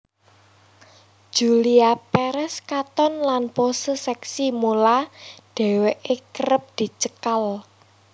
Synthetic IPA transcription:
ʒ̥uliapɛɾɛskat̪ɔnlanposəsɛksimolaɖ̥ɛ̤weʔekəɾəp̚d̪̥i̤t͡ʃəkal

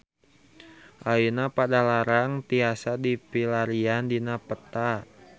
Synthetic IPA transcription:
ʔainapadalaɾaŋt̪iasadipilaɾiandinapət̪a

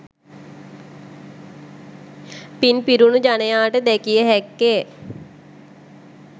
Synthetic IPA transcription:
pinpiɾunud͡ʒanejaːʈəd̪ɛkijəɦɛkːe

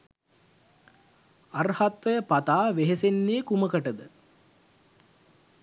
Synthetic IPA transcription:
arhat̪ʋɐjəpat̪aːʋeɦesenːeːkuməkəʈəd̪ə

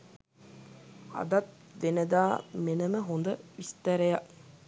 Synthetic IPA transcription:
a̰d̪at̪̚ | ʋenəd̪aːmenəməɦond̪əist̪əɾejaʔ

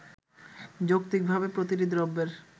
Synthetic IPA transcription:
d͡ʑokt̪ik̚bʱabepɾot̪iɾid̪ɾɔbːeɾ

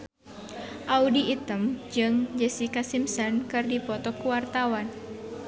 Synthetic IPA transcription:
ʔaudiːt̪əmd͡ʒɨŋd͡ʒəsikasimsɔnkɨrdipɔt̪ɔkuwart̪awan

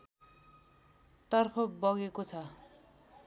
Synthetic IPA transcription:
t̪ʌrpʰʌbʌɡekot͡sʰʌ

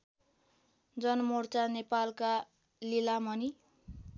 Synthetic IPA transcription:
d͡zʌnmort͡sanepalka | lilamʌni

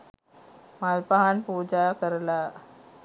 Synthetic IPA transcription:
malpaɦanpud͡ʑakəɾla

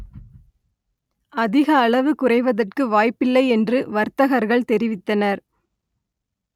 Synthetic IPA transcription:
ʔɐðɪɣɐːɭɐʋɯkʊrɐɪʋɐðɐrkɯʋaːjpɪlːɐɪɛndrɯʋɐɾt̪ɐɣɐɾɣɐɭt̪ɛɾɪʋɪt̪ːɐnɐɾ

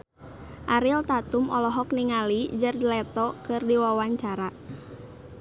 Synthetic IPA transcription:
ʔaɾilt̪at̪umɔlɔɦɔk̚niŋalid͡ʒərdlɛt̪ɔkɨrdiwawaɲt͡ʃaɾa

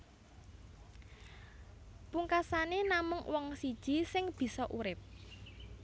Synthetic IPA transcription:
puŋkasanenamʊŋwɔŋsid̥ʒ̥i̤sɪŋb̥i̤sɔʔuɾɪp̚

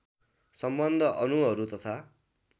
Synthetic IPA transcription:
sʌmbʌnd̪ʱʌʔʌnuɦʌɾut̪ʌt̪ʰa

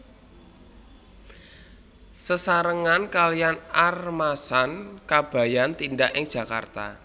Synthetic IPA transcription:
səsaɾəŋankalijanarmasankab̥a̤jant̪indaʔɪŋ̥ʒ̥ä̤ka̰rt̪a̰

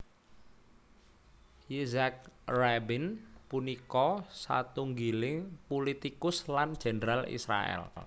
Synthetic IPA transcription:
izak̚rabinpunikɔsa̰t̪uŋɡilɪŋpulit̪ikʊsland̥ʒ̥e̤nɾalḭsɾa̰ɛ̰l

